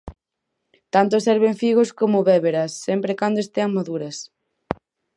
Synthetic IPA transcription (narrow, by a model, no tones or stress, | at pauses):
t̪ant̪osɛɾβeɱfiɣoskomʊβeβeɾɐsːɛmpɾekand̪oest̪eɐŋmaðuɾɐs